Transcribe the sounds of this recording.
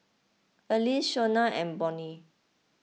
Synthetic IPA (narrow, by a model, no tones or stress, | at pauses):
əliʃonaʔɛ̃nbɔ̃ni